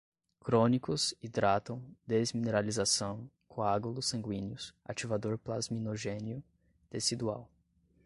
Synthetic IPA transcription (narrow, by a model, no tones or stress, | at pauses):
kɾõnikʊzid̪ɾat̪ɐ̃w̃d̪ezmineɾalizasɐ̃w̃ | kʰõaɡulʊsɐ̃ɡwĩnjʊsa̰t͡ʃivad̪oɾplazminoʒẽnjʊ | d̪̥esid̪ua̰w